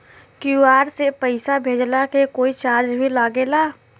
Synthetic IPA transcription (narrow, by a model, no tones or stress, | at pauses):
kjuaːɾsepəɪsabʱeːd͡ʒlakekoːit͡ʃaːɾd͡ʒbʱilaːɡelaː